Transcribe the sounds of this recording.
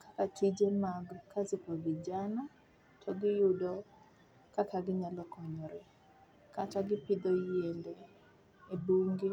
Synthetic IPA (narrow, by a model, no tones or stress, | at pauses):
kakatʰid͡ʒemaɡkazɪpoɡɪd͡ʒana | tʰɔɡɪjʊdɔ | kakaɡɪɲalɔkɔɲɔɾe | kataɡɪpɪd̪ojendeː | buŋɡe